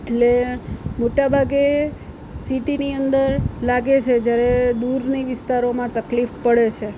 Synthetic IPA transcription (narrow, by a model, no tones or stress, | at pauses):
eʈlemoʈabʱaɡe | siʈiniənd̪əɾlaɡet͡ʃʰed͡ʒjaɾed̪uɾniʋɪst̪aɾomãt̪əklifpəɽet͡ʃʰe